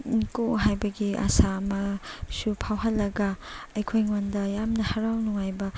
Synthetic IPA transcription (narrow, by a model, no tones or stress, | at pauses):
nkoɦajbɐɡia̰saɐmɐsupʰawɦɐlːɐɡɐɐjkʰojŋondɐjamnɐhɐɾawnuŋajbɐ